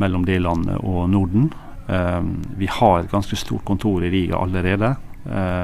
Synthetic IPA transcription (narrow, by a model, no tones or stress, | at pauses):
mɛlːɔmd̪ɛlɑnːə̰ʔɔnʊɖɳ̩ | ʋɪhɑɾɾɡɑnskəst̪ṵːʈ̚kʊnt̪ʰuːɾɪɾiːɡɑ̰ʔɑ̰ləɾeːd̪ə